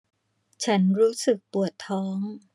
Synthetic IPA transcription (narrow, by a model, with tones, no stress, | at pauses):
t͡ɕʰa˦˥nɾuː˦˥sɯ˨˩k̚pu˨˩ət̪ʰːɔː˦˥ŋ